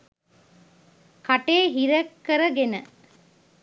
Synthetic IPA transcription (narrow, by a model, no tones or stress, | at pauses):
kɐʈeːɦiɾɐkːəɾəɡenə